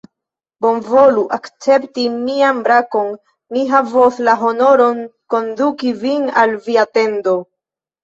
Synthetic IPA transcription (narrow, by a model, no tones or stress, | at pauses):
bo̞nvo̞luʔakt͡se̞ptimiambɾako̞nː | iɦavoslaɦo̞no̞ɾo̞nko̞ndukivinalviate̞ndo̞